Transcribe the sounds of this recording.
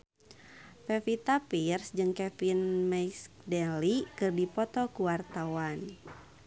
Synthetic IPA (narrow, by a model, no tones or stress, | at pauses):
fɛfit̪apirsd͡ʒɨŋkɛfinmɛs | dɛlikɨrdipɔt̪ɔkuwart̪awan